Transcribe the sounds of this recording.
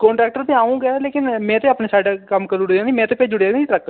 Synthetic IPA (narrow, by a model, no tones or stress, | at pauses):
kɔːɳʈɾɛːk̚ʈəɾt̪ẽːaːũːɡɛːleːkɪnmɛ̃ːt̪eːaːpneːsaːɖakəmːkəluɽd͡ʒãːd̪iːmɛ̃ːt̪eːped͡ʒʊɽaːɡ̪iʈɾɛːkʈə